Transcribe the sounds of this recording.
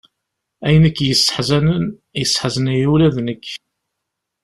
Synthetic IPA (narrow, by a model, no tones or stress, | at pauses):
æjənəkːjəsħzænn | jəsːħzənjulæðnəkː